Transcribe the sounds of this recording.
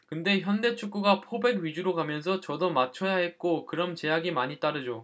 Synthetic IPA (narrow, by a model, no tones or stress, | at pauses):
kɯnde̞çjʌnde̞t͡ɕʰuk̚k͈uɡapʰobe̞ɡɥid͡ʑuɾoɡamjʌns̬ʰʌt͡ɕʌdʌmat͡ɕʰʌjaɦe̞tt̚k͈okɯɾʌmt͡ɕe̞jaɡimaɲit͈aɾɯd͡ʑo